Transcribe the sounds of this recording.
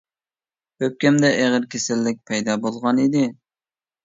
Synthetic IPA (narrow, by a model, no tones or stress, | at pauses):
øp̚kʲɛmd̪ɛʔeʁəɾkʲʰesɪlːɪk̚ʲpʰɛjd̪ɑbolˠʁɑnid̪ɪ